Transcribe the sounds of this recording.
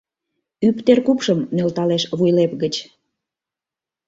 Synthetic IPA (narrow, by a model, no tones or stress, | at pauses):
ypt̪erkupʃəmnelt̪ɑleʃβujlepɣət͡ɕ